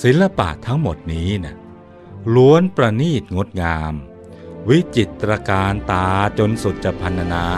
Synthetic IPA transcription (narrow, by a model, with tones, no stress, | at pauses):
si˨˦nla˧pa̰˨˩t̪ʰːa˦˥ŋmo˨˩t̪̚niː˦˥na˥˩ | lu˧˥ənpɾa˧niː˥˩t̪̚ŋo˦˥t̪̚ŋaː˧m | wi˦˥t͡ɕi˨˩t̪ːɾa˧kaː˧nt̪aː˧t͡ɕo˧nsu˨˩t̪̚t͡ɕa˨˩pʰa˧nt̪ʰa˧naː˧